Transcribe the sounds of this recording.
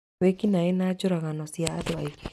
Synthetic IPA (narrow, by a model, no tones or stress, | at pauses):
ekinaenad͡ʒʊɾaɣanɔsiatɔaik